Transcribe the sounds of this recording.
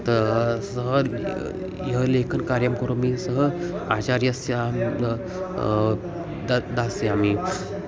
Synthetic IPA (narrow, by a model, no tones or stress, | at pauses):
t̪əɾsəɦə | jəlekʰənkaɾjamkəɾomisəɦəat͡ɕaɾijəseam | d̪aseami